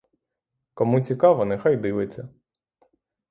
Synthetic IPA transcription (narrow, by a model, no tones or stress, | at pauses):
kɔmut͡sʲikɑʋɔnɛxɑjd̪ɪʋɪt͡sʲːɐ